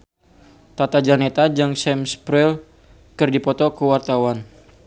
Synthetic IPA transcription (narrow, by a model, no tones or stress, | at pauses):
t̪at̪ad͡ʒanet̪ad͡ʒaŋsɛmspɾɛl | kɨrdipɔt̪ɔkəwart̪awan